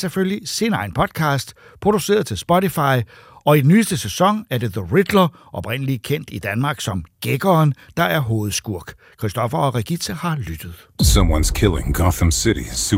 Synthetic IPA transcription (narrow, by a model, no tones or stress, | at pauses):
seføljisinɑ̈ɪnpʰɒ̽d̥̚kʰɑ̈ːsd̥ | pʰʁo̝d̥use̝̰ːɐðˠt͡sʰe̝lsb̥ɒ̽ɾifɑ̈ɪ | ɒ̽idenyːsd̥əsesɒ̽ŋæɐd̥e̝ðəʁid̥lɐ | ʔɒ̽b̥ʁen̰əlikʰen̰d̥id̥ænmɑ̈ːɡ̥sɒ̽mɡ̥eɡ̥ɒːnd̥ɑ̈ʔæɐɦo̝ːð̩ˠsɡ̥uɐ̰ɡ̥ | kʰʁsd̥ɒ̽fɐɒ̽ʁɛɡ̥i̥sʰəhɑ̈lyd̥əð̩ˠsʌ̃mwʌ̰̃nz̥kʰɪlˠɪ̰̃ŋɡɑθə̃msɪɾḭs